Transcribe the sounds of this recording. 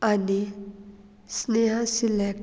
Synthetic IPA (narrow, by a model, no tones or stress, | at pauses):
ani | sneɦasilek